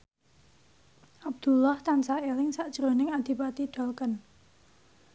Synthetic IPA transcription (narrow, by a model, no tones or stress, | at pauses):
ʔab̚d̪̥ulɔht̪ansaelɪŋsaʔd̥ʒ̥ɾonɪŋad̪̥i̤pat̪iɖ̥ɔ̤lkən